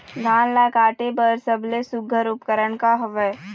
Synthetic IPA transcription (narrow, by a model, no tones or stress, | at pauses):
d̪ʱãːnlakaːʈebəɾsəblesʊɡʱəɾʊpkəɾəɳkaɦɐʋəj